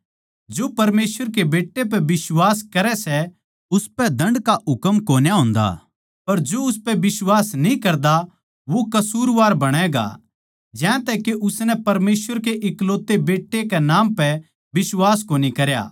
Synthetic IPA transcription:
d͡ʒoːpɐɾmeːsʋəɾkebeːʈːep̬ɛbɪswaːskɐɾɛsɛ | ʊspɛd̪ɐ̃ɳɖkaɦʊkəmkoːnjaɦʊ̃ːnd̪a̰ː | pɐɾd͡ʒoʊspɛbɪswaːsnĩkɐɾd̪a | ʋokɐsuːɾʋaːɾbɐɽ̃ɛɡa̰ | d͡ʒɛ̃ːt̪ɛkeʔʊsnɛ̃pɐɾmeːsʋəɾk̬eʔɪkloːt̪ːebeːʈːekɛnãːmpɛ | bɪswaːskoːnikɐɾja̰ː

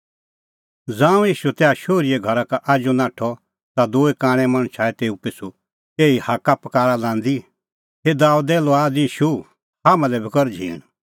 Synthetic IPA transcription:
d͡zãːũiːʃut̪ɛaʃoːɾiɛɡʱɐɾakaʔaːd͡ʒonãːʈʰɔ | t̪ad̪oːekãːɽ̃ɛ̃mɐ̃ɽ̃t͡ʃʰaːɛt̪eːupɪsʰu | eːihakapɐkaːɾalãːnd̪i | ɦed̪aːud̪ɛːlɔaːdiːʃu | haːmãlɛbʱikɔɾd͡ʒʱḭːɽ̃

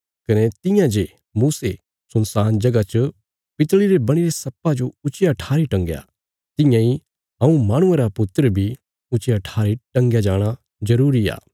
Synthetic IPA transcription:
kɐnet̪ɪ̃jãd͡ʒe | muːse | sʊnsaːnd͡ʒɐɡat͡ʃə | pɪt̪ɭiɾebɐɽ̃iɾesɐpːad͡ʒoʊt͡ʃjaʈʰaːɾiʈɐ̃ŋɡja̰ | t̪ɪ̃jãi | ɐũmaːɽ̃ʊẽɾapʊt̪ːəɾəbʱi | ʊt͡ʃjaʈʰaːɾiʈɐ̃ŋɡjad͡ʒaːɽ̃a | zɐɾuːɾia̰ː

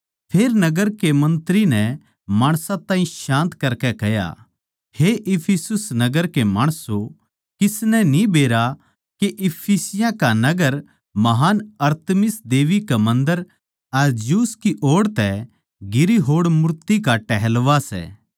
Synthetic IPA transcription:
pʰeːɾnɐɡəɾkemɐ̃nt̪ɾinɛ | maːɽ̃sãt̪ãːĩʃãːnt̪kɐɾkɛkɛja̰ | heʔɪpʰisʊsnɐɡəɾkemaːɽ̃so | kɪsnɛnĩbeːɾa | keʔɪpʰisɪjãkanɐɡəɾ | mɐɦaːnɐɾt̪mɪsd̪eːʋikamɐ̃nd̪əɾ | ɐɾd͡ʒjuːskiʔoːɽt̪ɛ | ɡɪɾiɦoːɽmʊɾt̪ikaʈɛɦɛlʋasɛ̰ː

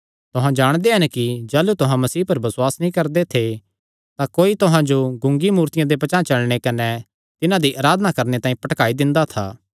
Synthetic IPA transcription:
t̪ʊɦãd͡ʒaːɽ̃d̪eɦɐnkid͡ʒaːlut̪ʊɦãmɐsiːpɐɾbɐsʊwaːsnĩkɐɾd̪et̪ʰe | t̪akoːit̪ʊɦãd͡ʒoɡʊ̃ŋɡimuːɾt̪ɪjãd̪epɐt͡ʃãːt͡ʃɐɭɽ̃ekɐnɛ | t̪ɪnãd̪iʔaːɾaːd̪ənakɐɾnet̪ãːĩpɐʈkaːid̪ɪ̃nd̪at̪ʰa̰ː

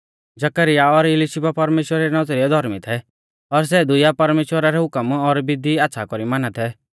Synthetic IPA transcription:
d͡ʒɐkəɾɪjaɔɾɪliʃipapɐɾmeːʃwəɾaɾɛnɔd͡zɾiɛd̪ʱɔɾmit̪ʰɛ | ɔɾs̬ɛd̪ʊjapɐɾmeːʃwəɾaɾɛɦʊkəmɔɾbɪd̪iat̪ːsʰakɔɾimaːnat̪ʰɛ

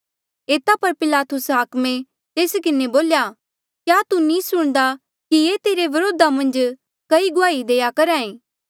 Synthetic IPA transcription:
eːt̪apɐɾpɪlaːt̪ʊsɦaːkmẽ | t̪eːskɪneboːlja | kjaːt̪unĩsʊɽ̃d̪a | kijeːt̪eːɾeʋɐɾoːd̪amɐ̃nd͡ʒ | kɐiɡʊaːid̪eːjakɐɾaːẽː

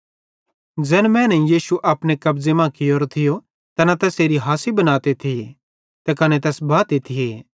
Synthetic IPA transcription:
d͡ʒɛːnmɛ̃ːnɛjiːsuʔɐːpñekɐbd͡zemãkɪjoːɾt̪ʰɪjo | t̪ɐnãt̪ɛːseːɾiɦaːsibɐnaːt̪et̪ʰɪe | t̪ekɐnet̪ɛːsbaːt̪et̪ʰɪjeː

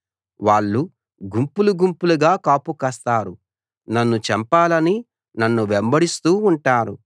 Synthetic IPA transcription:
ʋaːɭːu | ɡumpuluɡumpuluɡaːkaːpukɐst̪aːɾu | nɐnːut͡ʃɛmpaːlɐni | nɐnːuʋembɐɽist̪uːɳʈaːɾu

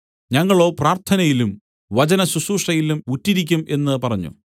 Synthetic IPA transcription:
ɲɐŋːɐɭo̞ːpraːrt̪ʰɐnɐjilum | ʋɐt͡ɕɐnɐsusuːʂʈɐjilumutːiɾikʲːume̞nːɨpɐrɐɲːṵ

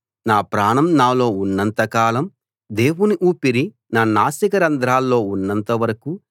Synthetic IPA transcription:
naːpɾaːɳɐmnaːlo̞ːunːɐnt̪ɐkaːlɐm | d̪e̞ːwuniʔuːpiɾi | naːnaːsɐkɐɾɐnd̪ɾaːlːo̞ːunːɐnt̪ɐʋɐɾɐku

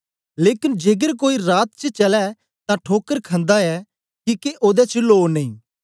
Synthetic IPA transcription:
leːkɪnd͡ʒeːɡəɾk̬oːiɾaːt̪̚t͡ʃət͡ʃɐlɛ | t̪ãʈʰoːkəɾkʰə̃nd̪aɛː | kiːkeʔoːd̪ɛt͡ʃloːnəĩː

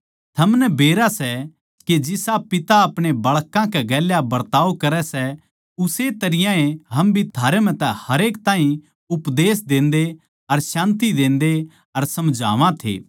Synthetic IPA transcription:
t̪ʰɐmnɛbeːɾasɛ | ked͡ʒɪsapɪt̪aɐpɽ̃ebɐɭkãkɛɡɛːljabɐɾt̪aːokɐɾɛsɛ | ʊset̪ɐɾɪjãẽɦɐmbʱit̪ʰaːɾemɛ̃t̪ɛ̃hɐɾeːkt̪aːɦĩ | ʊpd̪eːs̬d̪ẽːnd̪e | ɐɾsãːnt̪̬id̪ẽːnd̪e | ɐɾsɐmd͡ʒʱa̰ːʋãt̪ʰḛː

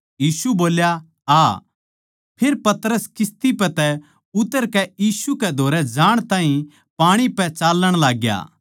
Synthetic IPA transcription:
jiːsuboːlja | aː | pʰeːɾpɐt̪ɾəskɪst̪ipɛt̪ɛ | ʊt̪əɾkɛjiːsukɛd̪ʱoːɾɛd͡ʒaːɽ̃t̪ãːɦĩ | paːɽ̃ipɛt͡ʃaːlːəɽ̃laːɡja̰ː

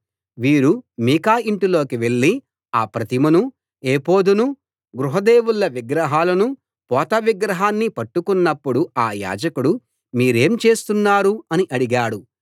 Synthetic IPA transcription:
ʋiːɾumiːkaːiɳʈilo̞ːkiʋe̞ɭːi | aːpɾɐt̪imɐnu | eːpo̞ːd̪unu | ɡɾuɦɐd̪e̞ːwulːɐʋiɡɾɐɦaːlɐnu | pɔːt̪ɐʋiɡɾɐɦaːnːipɐʈːukunːɐpːuɽuaːja̰ːd͡ʒɐkuɽu | miːɾe̞ːmt͡ʃe̞ːst̪unːaːɾuɐniʔɐɽiɡaːɽu

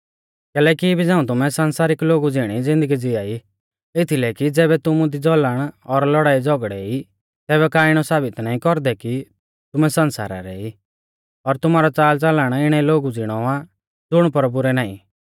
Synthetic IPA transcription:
kɛːlɛːkibʱid͡zãːũt̪ʊmɛsɐnsaːɾɪkloːɡud͡zɪɽ̃id͡zɪ̃nd̪əɡid͡zɪaːi | ɪt̪ʰilɛkid͡zɛːbɛt̪ʊmud̪id͡zɔləɽ̃ɔɾlɔɽaːid͡zɔɡɽɛ̰i | t̪ɛːβɛkaːɪɽ̃ɔsaːbɪt̪naːĩkɔɾd̪ɛki | t̪ʊmɛsɐ̃nsa̰ːɾa̰ɾɛ̰i | ɔɾt̪ʊmaːɾɔt͡saːlt͡saləɽ̃ɪɽ̃ɛloːɡud͡zɪɽ̃ɔa | d͡zʊɽ̃pɔɾbʊɾɛnaːḭ̃

